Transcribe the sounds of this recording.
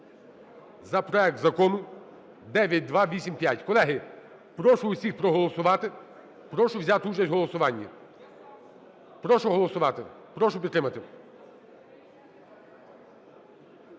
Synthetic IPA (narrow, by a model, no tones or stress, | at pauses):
zɐpɾɔɛk̚t̪zɐkɔnʊ | d̪ɛʋʲjɐt̚ʲd̪ʋɑʋʲisʲimpʲjatʲkɔlˠɛɦɪ | pɾɔʃʊːsʲixpɾɔɦɔlˠɔsʊʋɑt̪ɪ | pɾɔʃʊwzʲat̪ɪut͡ʃɐsʲɦɔlˠɔsʊʋɑnʲːɐ | pɾɔʃʊɦɔlˠɔsʊʋɑt̪ɪ̰ | pɾɔʃʊpʲit̪ːɾɪmɐt̪ɪ